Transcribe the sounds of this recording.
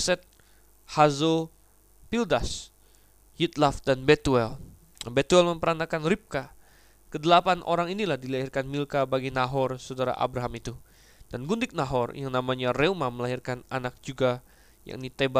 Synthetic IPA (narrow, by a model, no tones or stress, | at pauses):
sɛt̪̚ | hazo | pildas | hit̪lafdanbet̪uɛl | nabet̪uɛlməmpəɾanakanrip̚ka | kədəlapanʔo̰ɾaŋinilahdilaɦirkanmilkabaɡinaɦɔrsawdaɾa̰ʔa̰bɾaɦamit̪u | d̥anɡundɪk̚naɦɔrjaŋnamaɲareumaməlaɦirkananak̚d͡ʒuɡa | ja̰ŋinit̪eba